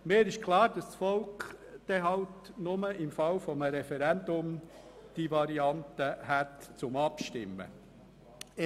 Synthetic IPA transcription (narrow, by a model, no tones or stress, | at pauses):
meːɾɪʃkʰlɑːɾd̥ɑssfɔlkd̥ɛɦɑʊtnʊməɪmfɑwfɔməɾɛfɛɾɛnd̪ʊm | d̥ivɑɾiɑnt̪əhætt͡sʊmɑpʃtɪmːə̰